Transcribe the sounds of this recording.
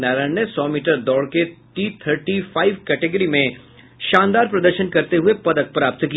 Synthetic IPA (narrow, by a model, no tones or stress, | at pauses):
nɛːɾaːnesɔːmiːʈəɾd̪ɔːɽkeʈiːt̪ʰəɾʈifʰaːɪʋkɛːʈeɡəɾimẽ | ʃãːnd̪aːɾpɾɐd̪əɾʃənkɐɾt̪eɦʊepɐd̪ək̚pɾaːp̚t̪ki